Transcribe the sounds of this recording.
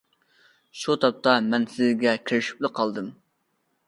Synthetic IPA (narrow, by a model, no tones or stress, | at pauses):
ʃut̪ʰɑp̚t̪ɑmɛnsɪzɡʲɛkʲʰiɾɪʃi̥plɨqʰɑlˠd̪ɨm